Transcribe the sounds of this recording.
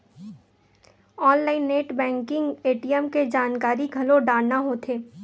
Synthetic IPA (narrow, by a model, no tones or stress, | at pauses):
ɔːnlaːɪnːeːʈbɛ̃ːŋkɪ̃ŋɡeːʈijəmked͡ʒaːnkaːɾiɡʱɐloɖaːɽnaɦoːt̪ʰeː